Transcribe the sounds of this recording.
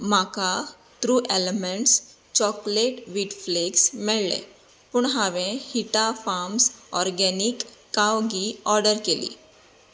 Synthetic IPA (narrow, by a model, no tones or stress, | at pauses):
maka | t̪ɾuːʔelemeɳʈs | t͡ɕɔkleʈʋiʈfleɡsmɛɭlḛ | puɳɦaʋẽhiʈafamsɔɾɡɛnikː | awɡiɔɾɖəɾkelḭ